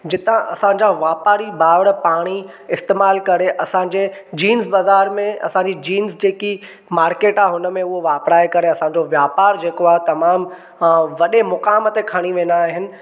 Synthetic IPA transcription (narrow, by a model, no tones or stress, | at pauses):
d͡ʑɪt̪ãʔɐsãːd͡ʑaʋaːpaːɾibaːʋəɽəpaːɽ̃i | ɪst̪eːmaːlkɐɾeʔɐsãːd͡ʑed͡ʑiːnzbaːzaːɾmẽɐ̰sãːɲd͡ʑid͡ʑiːnzd͡ʑeːki | maːɾkeːʈaːɦɦʊnəmẽʊɦoʋaːpɾaːekɐɾeɐsãɲd͡ʑoʋjaːpaːɾd͡ʑeːkoaːɦt̪ɐmaːm | ʋɐɗemʊkaːmət̪ekʰaːɽ̃iʋẽːnd̪aːɦɪnɪ̆